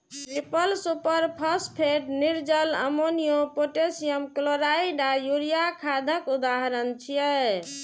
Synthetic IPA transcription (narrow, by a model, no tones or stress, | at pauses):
ʈɾipəlsupəɾpʰəspʰeʈniɾd͡ʒələ̰monijopoʈesijəmkloɾaiɖajuɾijakʰad̪ʱəkud̪aɦɾənt͡ʃʰijɛ